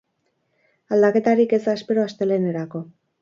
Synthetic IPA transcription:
ald̪ake̞t̪aɾike̞zaspe̞ɾo̞ast̪e̞le̞ne̞ɾako̞

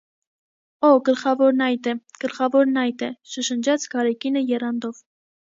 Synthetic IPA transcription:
ɔɡəlχɑvɔɾnɑjt̪ɛɡ̥əlχɑvɔɾnɑjt̪ɛʃəʃənd͡ʒɑt͡sʰɡɑɾɛkinəjɛrɑnd̪ɔv

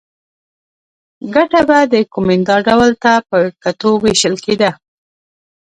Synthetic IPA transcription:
ɡaʈabad̪əkomɪnd̪ɑɖawlt̪apəkat̪oweʃəlked̪a

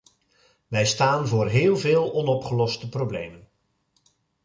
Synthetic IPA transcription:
ʋɛjstaːnvʊːrɦɪːlˠvɪːlˠɔnɔpχəlɔstəproblḛjmən

